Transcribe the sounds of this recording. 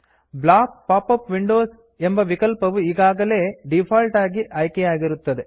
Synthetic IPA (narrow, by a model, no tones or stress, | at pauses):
blaːk̚paːpːɐpʋiɳɖoːs | ɛmbɐʋɪkɐlpɐʋɯɪɣaːɣɐleːɖɪpʰaːlʈaːɡiʔɐjkejaːɡɪɾɯt̪ːɐðɯ